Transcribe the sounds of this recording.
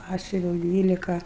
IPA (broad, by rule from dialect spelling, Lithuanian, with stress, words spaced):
ˈpɑːsʲʊʋʲɛʊ ˈdʲʋʲiːlʲɪkɐ